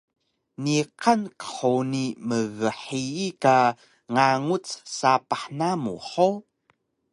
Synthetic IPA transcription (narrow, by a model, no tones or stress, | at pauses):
niqankə̥ħuniməɣəħiːka | ŋaŋut͡ssapaħnamṵħo